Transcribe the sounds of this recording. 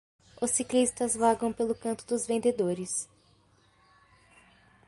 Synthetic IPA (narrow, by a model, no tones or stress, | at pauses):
ʊsiklist̪ɐzvaɡɐ̃w̃pelʊkɐ̃nt̪ʊd̪ʊzvẽnd̪ed̪oɾɪs